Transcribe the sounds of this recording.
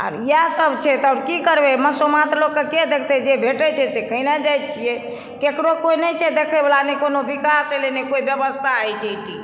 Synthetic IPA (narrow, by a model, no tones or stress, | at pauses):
a̰ɾijasəbʱt͡ʃʰɛt̪aʊɾkikəɾbeməsomat̪ɾlokkeked̪ekʰt̪ɛd͡ʒebʱeʈɛt͡ʃʰɛsekəinad͡ʒajt̪̚t͡ʃʰijɛ | kekɽokoinɛt͡ʃʰɛd̪ekʰebelanɛkonobikaselenekoibjəbəst̪ʰaəjt͡ʃʰəit̪i